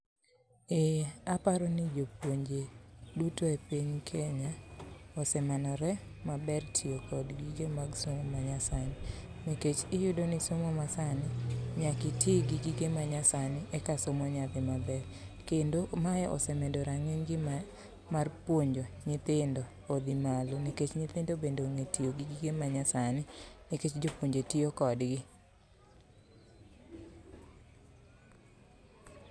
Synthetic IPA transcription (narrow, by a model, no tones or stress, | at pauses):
eapaɾɔnɪd͡ʒopwoɲd͡ʒedutoepiɲkʰɛɲaɔsɛmanɔɾɛmabɛrtʰiokɔdɡiɡemaɡsomomaɲasanimiket͡ʃɪjʊdonɪsomomasanɪɲakɪtʰiɡiɡiɡemaɲasanɪʔɛkasomɔɲabɪmabɛɾkendomajɛʔɔ̰sɛmɛdoɾaŋeɲɡɪ | marpwoɲd͡ʒoɲɪt̪ɪndoːd̪imaloniket͡ʃɲɪt̪ɪndobendoŋetioɡiɡiɡemaɲasanɪniket͡ʃd͡ʒopwoɲd͡ʒetiokɔdɡɪ